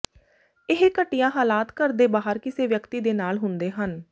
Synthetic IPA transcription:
ɪɦkəʈɪjãːɦaːlaːt̪kəɾd̪eːbaːɦəɾkɪseːʋjəkt̪iːd̪eːnaːlɦʊnd̪eːɦən

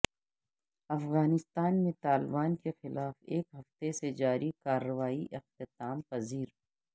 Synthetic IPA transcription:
ɐfɣaːnɪst̪aːnmẽt̪aːlɪbaːnkexɪlaːfeːkɦɐft̪esed͡ʒaːɾʔikaːɾːəʋaːiʔɪq̚t̪ɪt̪aːmpɐziːɾ

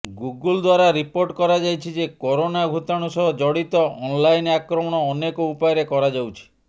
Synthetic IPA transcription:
ɡuɡuld̪waɾaɾipoɾʈkɔɾad͡ʒajt͡ʃʰid͡ʒekɔɾonaɡʱut̪aɽ̃usɔɦɔd͡ʒɔɽit̪ɔɔnlajnakɾɔmɔɽ̃ɔːnekɔupajɾekɔɾad͡ʒawt͡ʃʰi̥

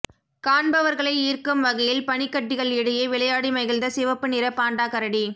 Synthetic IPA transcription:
kaːɳbɐʋɐɾɣɐɭɐɪiːrkɯmʋɐɣɐjɪlpɐnɪkːɐʈːɪɣɐɭɪɽɯjɐʋɪɭɐjaːɽimɐɣɪld̪ɐsɪʋɐpːɯnɪɾɐpːaːɳɖaːkɐɾɐɽi

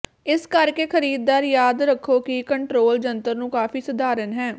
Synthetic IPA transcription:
ɪskəɾkeːkʰəɾiːd̪ːaːɾjaːd̪ɾəkʰːoːkikəɳʈɾoːld͡ʒənt̪əɾnũːkaːfʰiːsʊd̪aːɾənɦɛː

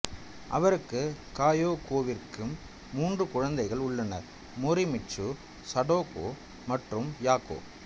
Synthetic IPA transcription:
ʔɐ̰ʋɐɾɯkːɯkaːjoːkoːʋɪrkɯmː | uːndrɯkʊɻɐnd̪ɐɪɣɐɭʊɭːɐnɐ̰ɾ | mʊɾɪmɪt͡ʃːɯ | sɐɽoːko̰ː | mɐʈrɯmjaːko̰ː

